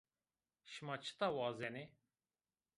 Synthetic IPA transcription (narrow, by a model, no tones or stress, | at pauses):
ʃɨmɑːt͡ʃʰɨ̥t̪awɑːzɛne